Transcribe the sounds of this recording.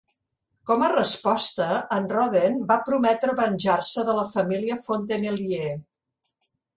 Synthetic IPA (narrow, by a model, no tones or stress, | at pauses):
kɔmərəspɔst̪əːnrɔðenbapɾumɛt̪ɾəβənʲʒarsəðələfəmiliəfont̪̬enelie